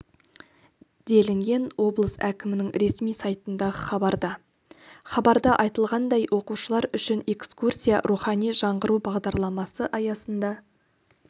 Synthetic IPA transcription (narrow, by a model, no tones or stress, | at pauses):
d̪e̞lɪŋɡʲe̞nwo̞blˠəsækʲɪmɪnɪŋɾe̞smijsɑjt̪ənd̪ɑʁəχɑbɑɾd̪ɑ | χɑbɑɾd̪ɑʔɑjt̪əlˠʁɑnd̪ɑjwʔo̞quʃəlˠɑɾʏʃɪne̞kskursʲijɑ̰ɾuχɑnijʒɑɴʁəɾubɑʁd̪ɑɾlˠɑmɑsəʔɑjɑsənd̪ɑ